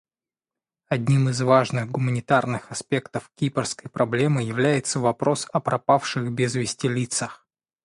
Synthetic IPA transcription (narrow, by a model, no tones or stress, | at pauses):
ɐdʲnʲimɨzvaʐnɨɣɡʊmənʲɪt̪arnɨxɐspʲe̞kt̪əfkʲipərskəjpɾɐblʲe̞mɨjɪvlʲæjɪt̪səvɐpɾo̞sɐpɾɐpafʂɨxbʲɪzvʲɪsʲtʲɪlʲit̪səx